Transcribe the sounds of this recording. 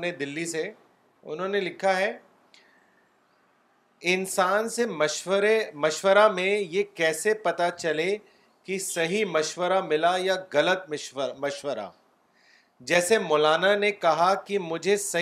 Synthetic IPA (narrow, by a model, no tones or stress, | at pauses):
ned̪ɪlːise | ʊ̰nɦõːnelɪkʰaɦɛː | ɪnsaːnsememɐʃʋəɾamẽjekɛːsepɐt̪at͡ʃɐle | kisɐɦimɐʃʋəɾamɪlajaɣɐlət̪̚mɐʃʋəɾa̰ | d͡ʒɛːsemɔːlaːnanekɐɦakimʊd͡ʒʱesɐ